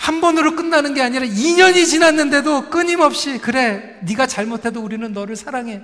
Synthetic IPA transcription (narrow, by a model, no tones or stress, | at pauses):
hambʌnɯɾok͈ɯnːanɯnɡe̞aɲiɾaiɲʌɲit͡ɕinanːɯnde̞dok͈ɯɲimʌp̚ɕ͈ikɯɾe̞ | niɡat͡ɕaɭmotʰe̞douɾinɯnːʌɾɯɭsʰaɾaŋe̞